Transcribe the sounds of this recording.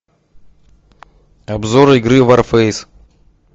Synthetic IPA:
ɐbzoɾɪɡɾɨvarfejs

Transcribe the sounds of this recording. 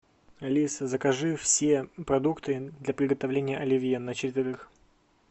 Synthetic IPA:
ɐlʲisəzəkɐʐɨfsʲepɾɐd̪ukt̪ɨd̪lʲɐpɾʲɪɡət̪ɐvlʲenʲɪjəʔɐlʲɪvʲjenːət͡ɕɪtʲt̪ʲɪɾɨx

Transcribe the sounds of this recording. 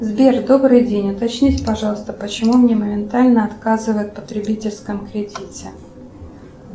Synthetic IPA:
zbʲerd̪o̞bɾɨjdʲenʲʊt̪ɐt͡ɕnʲitʲpɐʐɑlˠəst̪əpət͡ɕɪmumnʲe̞məmʲɪnt̪alʲnəɐt̪kazɨvəjɪt̪̚pə̥t̪ɾʲɪbʲitʲɪlʲskəmkɾʲɪdʲitʲɪ

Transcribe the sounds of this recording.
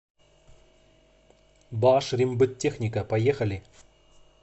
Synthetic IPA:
baːʂɾʲimbɨtʲːexnʲɪkəpɐjexɐlʲɪ

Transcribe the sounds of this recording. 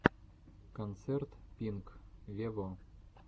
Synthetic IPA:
kont̪sert̪pʲiŋkvʲevo

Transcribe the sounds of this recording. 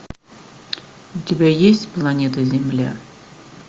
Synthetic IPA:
ʊtʲɪbʲæjesʲtʲplˠɐnʲet̪əzʲɪmlʲæ̰

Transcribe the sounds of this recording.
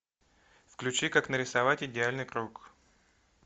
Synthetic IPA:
fklʲʉt͡ɕikaknəɾʲɪsɐvatʲɪdʲɪalʲnɨjkɾuk

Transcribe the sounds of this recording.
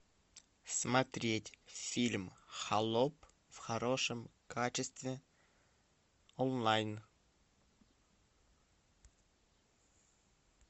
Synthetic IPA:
smat̪ɾʲetʲfʲilʲmχalˠo̞p | v̥χaɾo̞ʂəmkʰat͡ʃɪst̪vʲe | onlˠajn

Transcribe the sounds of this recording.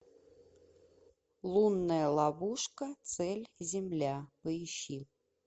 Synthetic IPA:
lˠunːəjəlˠɑvuʂkət̪sɛlʲzʲɪmlʲapɨjɕːi

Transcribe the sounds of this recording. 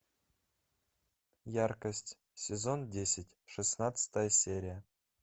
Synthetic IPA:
jarkəsʲtʲ | sʲezo̞ndʲesʲɪtʲʂɨsnat̪sə̥t̪əjəsʲeɾʲijə

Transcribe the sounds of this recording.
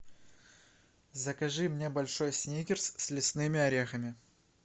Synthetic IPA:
zəkɐʐɨmnʲe̞bɐlʲʂo̞jsʲnʲikʲɪrssʲlʲɪsnɨmʲɪɐɾʲexəmʲɪ

